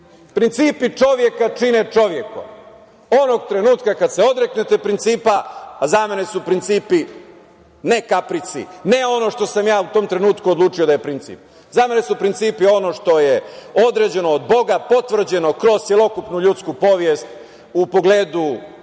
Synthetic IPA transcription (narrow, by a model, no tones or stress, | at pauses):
pɾint̪siːpit͡ʂo̞ʋje̞kat͡ʃinet͡ʂo̞ʋje̞ko̰ | o̞noɡ̚t̪ɾe̞nuːt̪kakad̪se̞o̞d̪ɾeknet̪e̞pɾint̪siːpaːzame̞ne̞supɾint̪siːpi | ne̞kapɾit̪sḭne̞o̞no̞ʃt̪o̞samjaːut̪o̞ːmt̪ɾe̞nuːt̪kuod̪lˠuːt͡ʂio̞d̪ajepɾint̪sḭp̚ | zame̞ne̞supɾint̪siːpio̞no̞ʂt̪o̞jeo̞d̪ɾed͡ʑe̞noːd̪bo̞ɡapo̞t̪ʋr̩d͡ʑe̞no̞kɾo̞ztsjelo̞kupnuʎut̪skupo̞ʋjest̪ | upo̞ɡleːd̪u